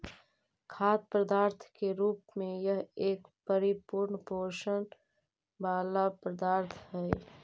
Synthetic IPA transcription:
kʰaːt̪̚pɾəd̪aːɾt̪ʰkeɾuːpmẽjəɦeːkpəɾɪpʊɾɳpoːʃən | baːlapɾəd̪aːɾt̪ʰɦɛɛ

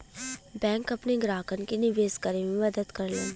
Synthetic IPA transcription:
bɛ̃ːŋkɐpneɡɾaːkənkenɪʋeːskəɾemẽmɐd̪əd̪kɐɾleːn

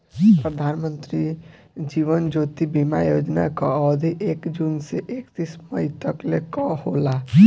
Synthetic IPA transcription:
pɾəd̪ʱaːnmə̃nt̪ɾi | d͡ʒiːʋənd͡ʒoːt̪ibimajoːd͡ʒnakaɔd̪ʱiʔeːkd͡ʒuːnseʔeːkt̪isməit̪əklekɔhola

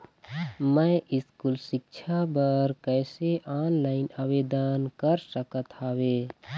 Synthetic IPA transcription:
məʔɪskulʃɪk̚t͡ʃʰabəɾkɛːseʔaːnlaːɪnaʋeːd̪ənkəɾsəkət̪ɦaːwe

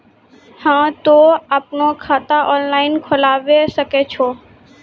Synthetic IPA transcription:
hãːt̪oaːpnokʰaːt̪aʔɔːnlaːɪnkʰʊlaːʋesəket͡ʃʰoː

